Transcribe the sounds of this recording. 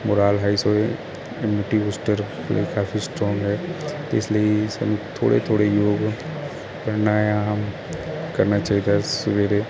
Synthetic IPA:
mʊɾaːlɦaːisoːe | emɪʈiːʋusʈəɾ | lḛikaːfʰisʈɾɔ̃ːŋɡɦɛːt̪eɪsliisɛ̰ːnũt̪ʰo̰ːɽḛt̪ʰoːɽejoːɡ | kəɾnaam | kəɾnat͡ʃaːɦid̪asʊʋeːɾe

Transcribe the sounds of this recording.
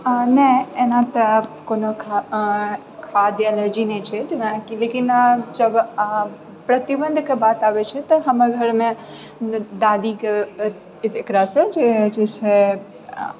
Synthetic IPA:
nəɦenãt̪ɐkoːnokʰ | kʰad̪jɛləɾd͡ʒinɛt͡ʃʰɛd͡ʒenakilekind͡ʒəb | pɾɐt̪ibə̃nd̪ʱkebaːt̪aːʋet͡ʃʰɛt̪ɔɦɐmɡʱəɾmẽ | d̪aːd̪ike | ekɾasẽd͡ʒed͡ʒet͡ʃʰɛ

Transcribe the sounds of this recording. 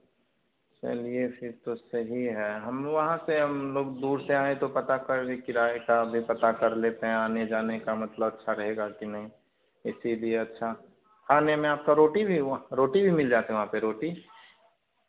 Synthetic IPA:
t͡ʃɐ̰liepʰɪɾt̪osɐɦiɦɛːɦɐmʋɐɦãseɦɐmloːɡd̪uːɾseaːet̪opɐt̪akɐɾekiɾaːekabʱipɐt̪akɐɾleːt̪eɦɛ̃aːned͡ʒaːnekamɐt̪ləbɐtːʃʰaɾɐɦeːɡakinɐɦĩ | ɪsilieɐtːʃʰa | kʰaːnemẽaːp̚kaɾoːʈibʱiɾoːʈibʱimɪld͡ʒaːt̪eɦɛ̃ʋɐɦãpeɾoːʈi

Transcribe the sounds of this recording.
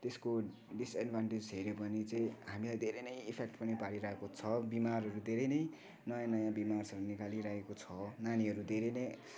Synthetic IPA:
t̪esko | ɖisaɖbʱaɳʈed͡zɦeɾopʌnit͡sʌĩɦamilajd̪ʱeɾʌjnʌjipʰek̚ʈpʌnipaɽiɾʌɦekot͡sʰʌbimarɦʌɾud̪ʱeɾʌjnʌj | nʌjãnʌjãbimarsʌɾunikaliɾaɦekot͡sʰʌnaniɦʌɾud̪ʱeɾʌjnʌj

